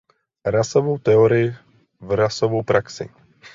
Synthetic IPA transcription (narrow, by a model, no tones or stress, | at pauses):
ɾasɔvɔwt̪ɛɔɾɪɪ | vɾasɔvɔwpɾaksḭ